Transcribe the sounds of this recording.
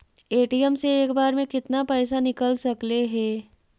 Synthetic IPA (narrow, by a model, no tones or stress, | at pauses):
eːʈijəmseeːkbaːɾmẽkɪt̪napɛːsanɪkəlsɐkleɦɛː